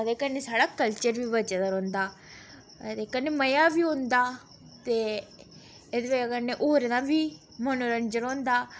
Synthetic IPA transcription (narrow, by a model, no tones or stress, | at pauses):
əd̪eːkənːesaːɽaːkəlt͡ʃəɾʋiːʋəd͡ʒad̪əɾõːnd̪aː | d̪eːkənːeməjaːʋiːõːnd̪aː | t̪e | ed̪ʋeəɡəɾneʔoːɾd̪ãːʋiː | mənoɾənd͡ʒəɾõːnd̪aː